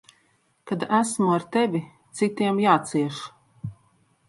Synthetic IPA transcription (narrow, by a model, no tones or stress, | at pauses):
kad̪æsmuaɾt̪ɛvʲit̪sit̪iɛmjaːt̪siɛʃ